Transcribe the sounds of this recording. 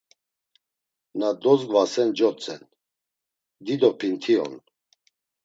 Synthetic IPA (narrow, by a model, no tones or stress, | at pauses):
nad̪ɔzɡvasɛnd͡ʒɔt͡sʼɛ̰n | d̪id̪ɔpʰint̪ʰiɔ̰n